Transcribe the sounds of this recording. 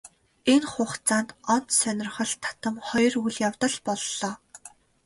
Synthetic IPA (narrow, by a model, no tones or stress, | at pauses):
enχʊːχt͡saːnt̪ɔn̥t̪sœnʲɪ̆rχɞ̆ɮt̪ʰːḁt̪ə̆mχɔjɞ̆ruɮjawt̪ə̆ɮpɔɮːɔː